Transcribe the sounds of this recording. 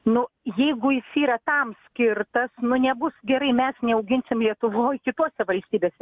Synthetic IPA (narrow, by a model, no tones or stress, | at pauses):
nʊjɛɪɡʊjɪsiːɾɐt̪ɐmsʲkʲɪrt̪ɐsnʊnʲɛbʊsɡʲɛɾɐɪmʲɛsnʲɛɐʊɡʲɪnʲsʲɪmlʲiɛt̪ʊʋoːjkʲɪt̪oɔsʲɛʋɐlʲsʲt̪ʲiːbʲeːsʲɛ